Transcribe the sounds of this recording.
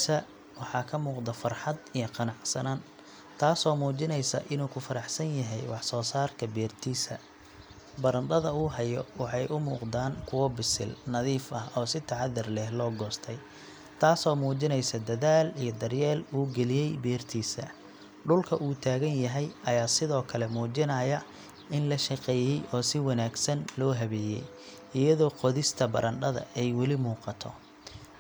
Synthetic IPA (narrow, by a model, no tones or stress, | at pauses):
sɐ | wɑħɑːkʰɐmuːqd̪ɐfɐrħɑd̪ijɞqɑnɑʕsɐnaːn | t̪ʰaːsɔːmuːt͡ʃɪnɛjsɐ̰ʔɪnuːkʰʊfɐɾɑħsɐnjɐɦɛjwɑħsɔːsaːrkʰɐbɛːrt̪ʰiːsɐ̰ | bɐɾɐnd̪ɐðɐuːɦɐjɔwɑħɑjʔʊmṵːqd̪aːnkʰʊwɔbɪsɪ̰lnɐðiːfʔɐhɔːsɪt̪ʰɐʕɑðɐrlɛhlɔːɡɔːst̪ʰɛj | t̪ʰaːsɔːmuːt͡ʃɪnɛjsɐd̪ɐðaːlijɞd̪ɐrjɛːluːɡɛlɪjɛjbɛːrt̪ʰiːsɐ̰ | ɖʊlkʰɐʔuːt̪ʰaːɣɐnjɐɦɛjɐjaːsɪðɔːkʰɐlɛmuːt͡ʃɪnɐjɐ | ɪnlɐʃɑqɛːjɛjʔɔːsɪwɑnaːɡsɐnlɔːɦɐβɛːjɛ̰j | ɪjɐðɔːqɔðɪst̪ʰɐbɐ̰ɾʔɐnɖɐðɐ̰ɛjwɑlɪmuːqɑt̪ʰɔ̰